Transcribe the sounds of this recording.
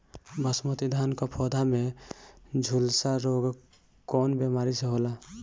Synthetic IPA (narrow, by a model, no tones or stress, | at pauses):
bəsmət̪id̪ʱankapʰɔːd̪ʱame | d͡ʒʱulsaɾoːɡ | kɔːnbemaːɾiseɦoːla